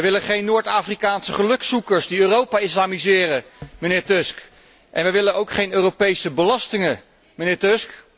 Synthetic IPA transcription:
əjʋɪlənχejnːʊːɹtaːfrikaːnsəχəlɵksukəɹsdiøːrowpaːɪslaːmizɪːrəmənɪːɹtɵsk | ʔɛ̰nʋɛjʋɪlənowkχejnøːropejsəbəlɑstɪŋən | mənɪːɹtøsk

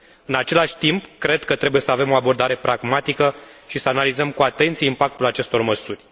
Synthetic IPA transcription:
ɨnat͡ʃe̞laʃʲt̪impkɾe̞d̪kət̪ɾe̞bujesəave̞mo̞abo̞rd̪aɾe̞pɾʔaɡmat̪ikəʃisəanalizəmkuat̪e̞nt̪sijeimpak̚t̪ulat͡ʃe̞st̪o̞rməsurʲ

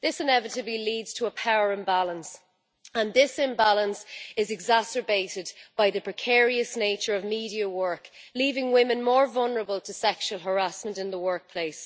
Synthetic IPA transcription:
ðɪsɪ̃nɛvɪɾəbliliːdz̥tʰəːpʰaʊəɹə̃nbalə̃ns | ə̃nðɪsɪ̃mbalə̃nsɪzɛɡzasə˞beɪɾɪdb̥aɪðəpʰɹ̥ɪkʰɛːɹiəsneɪt͡ʃə˞əvmiːɾiəwɜ˞kliːvɪ̃ŋwɪ̃mɨ̃nmɔːɹvʌlˠnə˞əbəlˠtʰəsɛkʃuwəlˠɦə˞asmə̃ntɪ̃nðəwɜ˞k̚pʰl̥eɪs

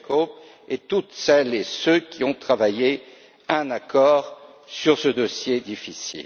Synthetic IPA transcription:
kop | et̪ut̪sɛlesøkʲiɔ̃t̪χavaje | ɛ̃nakɔːʁ | syʁsəd̪osjed̪ifisḭl

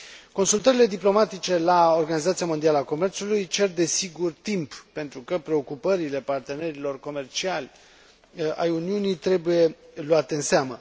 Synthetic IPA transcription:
ko̞nsult̪əɾile̞d̪iplo̞mat̪it͡ʃe̞lao̞rɡanizat̪sijamond̪ialəako̞me̞rt̪sulujt͡ʃe̞rd̪e̞siɡurt̪imppe̞nt̪ɾukəpɾe̞o̞kupəɾile̞part̪e̞ne̞ɾilo̞rko̞me̞rt͡ʃialʲ | a̰juniunijt̪ɾe̞buje̞luat̪e̞ɨnseamə

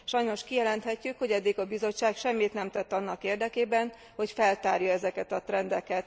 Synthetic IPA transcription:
ʃɒjno̞ʃkijɛlɛnt̪hɛcːykho̞ɟɛd̪ːiɡɒbizo̞t͡ʃːaːkʃɛmːit̪nɛmt̪ɛt̪ːɒnːɒkeːrd̪ɛkeːbɛn | ho̞cfɛlt̪aːrjɒɛzɛkɛt̪ɒt̪rɛnd̪ɛkɛt̪

